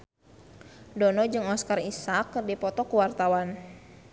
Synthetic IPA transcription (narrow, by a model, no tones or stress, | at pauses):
dɔnɔd͡ʒɨŋɔskarisakːɨrdipɔt̪ɔkuwart̪awan